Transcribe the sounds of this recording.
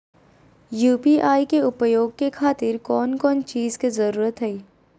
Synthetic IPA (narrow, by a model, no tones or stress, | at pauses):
juːpiʔaːikeʊpəjoːɡ̚kekʰaːt̪ɪɾkɔːnkɔːnt͡ʃiːzkizɐɾuːɾət̪ɦɛiː